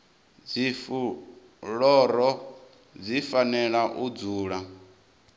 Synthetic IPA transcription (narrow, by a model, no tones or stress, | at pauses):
d͡zifu | ɺɔɾɔ | d͡zifanɛɺaʔud͡zuːɺa